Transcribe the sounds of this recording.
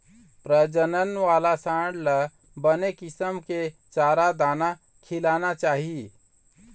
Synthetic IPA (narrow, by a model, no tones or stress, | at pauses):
pɾəd͡ʒənənʋalasãɖlə | bənekisəmket͡ʃaɾad̪ana | kʰilanat͡ʃaːɦi